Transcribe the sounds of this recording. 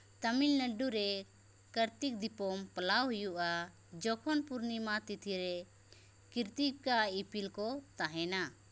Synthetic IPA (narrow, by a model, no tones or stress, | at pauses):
t̪əmilnəɖuɾɛ | kəɾt̪ik̚d̪ipɔmpəlawɦujuʔa | d͡ʒɔkʰɔnpuɾnimat̪it̪ʰiɾɛ | kiɾt̪ikaipilkɔt̪aɦɛna